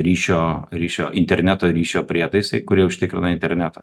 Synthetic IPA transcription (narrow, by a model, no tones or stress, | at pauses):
ɾʲiːʃʲoːɾʲiːʃʲoːʔɪnʲt̪ʲɛɾʲnʲæt̪oːɾʲiːʃʲoːpʲɾʲiɛt̪ɐɪsʲɐɪkʊɾʲiɛʊʃʲt̪ʲɪkɾʲɪnɐɪnt̪ʲɛɾʲnʲæt̪ɐ